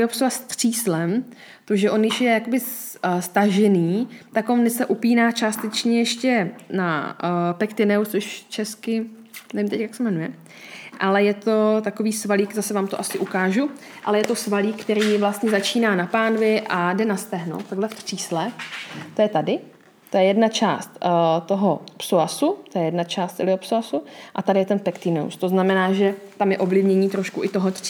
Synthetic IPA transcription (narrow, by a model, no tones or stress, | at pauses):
ɪopsovast̪r̥iːslɛm | t̪oʒɛʔo̞njɪʃjɛjako̞bɪs | st̪aʒɛniːt̪akonnɛsɛʔupiːnaːt͡ʃaːst̪ɛt͡ʃɲɛjɛʃcɛnapɛkt̪ɪnɛwtt͡ssoʃt͡ʃɛskɪ | nɛvimt̪ɛcjaksɛmɛnujɛ | ʔalɛjɛt̪o̞t̪akoviːsvaliːkzasɛvaːmt̪oʔasɪʔukaːʒu | ʔalɛjɛt̪o̞svaliːkkːt̪ɛɾiːvlast̪ɲɛzat͡ʃiːnaːnapaːnvjɛʔadɛnast̪ɛɦno̰wt̪t̪ːaɡɦlɛft̪r̥iːslɛt̪o̞jɛt̪adɪ | t̪ojɛjɛdnat͡ʃa̰ːst̪t̪o̞ɦopsoasut̪ojɛjɛdnat͡ʃaːst̪ɛlɪopsoasuʔat̪adɪjɛt̪ɛnpɛkt̪ɪno̰wst̪o̞znamɛnaːʒɛt̪amjɛʔovlɪvɲɛɲiːt̪ɾo̞ʃkuʔɪt̪oɦot̪r